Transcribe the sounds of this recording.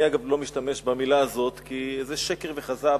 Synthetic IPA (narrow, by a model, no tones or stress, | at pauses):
iaɡavlo̞miʃt̪ame̞ʃbamilaːzo̞t̪kiezeʃe̞ke̞ʁve̞χaza